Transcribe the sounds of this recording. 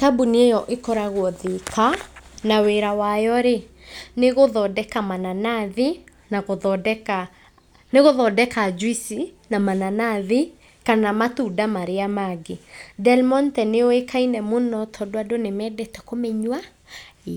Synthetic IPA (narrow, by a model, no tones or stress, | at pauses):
tabuniejɔʔekɔɾaɣwɔðikʰanaweɾawajɔɾe | neɣoðɔdɛkamananaði | naɣoðɔdɛka | neɣoðɔdɛkad͡ʒwisi | namananaði | kanamatudamaɾeamaɡedɛlmɔntɛneoekainɛmonɔtʰɔdoadonemɛdɛtɛkomɛɲwa